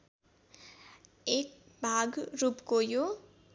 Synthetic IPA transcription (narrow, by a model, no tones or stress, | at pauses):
ek̚ | bʱaɡɾupkojo